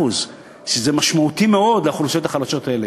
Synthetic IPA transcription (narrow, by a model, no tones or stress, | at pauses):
uz | ʃezemaʃmaut̪imeo̞d̪leaχlusot̪aχalaʃo̞t̪ae̞le